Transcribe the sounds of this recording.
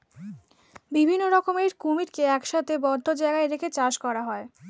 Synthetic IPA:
bibʱinːoɾɔkomeɾkumiɾkeɛkʃat̪ʰebɔɾd̪ʱːod͡ʑaeɡaeɾekʰet͡ɕaʃkɔɾaɦɔe

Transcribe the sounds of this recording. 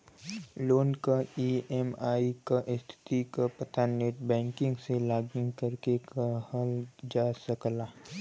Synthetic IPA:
loːnkaiːemaːikaʔɪst̪ʰɪ̥t̪ikapɐt̪aneːʈbɛ̃ːŋkɪ̃ŋɡselaːɡɪ̃ŋɡkəɾkekahɐld͡ʒaːsɐklaː

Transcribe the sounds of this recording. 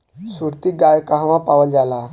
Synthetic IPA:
suɾt̪iːɡajkaɦʋãpaʋəld͡zala

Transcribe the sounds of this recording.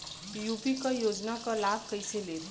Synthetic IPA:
jupikʌjod͡ʒnakʌlab̚kəjsele

